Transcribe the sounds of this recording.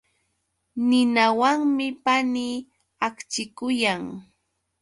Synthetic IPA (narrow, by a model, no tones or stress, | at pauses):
nɪnawaŋmɪpaniː | akt͡ʃɪkʊjaŋ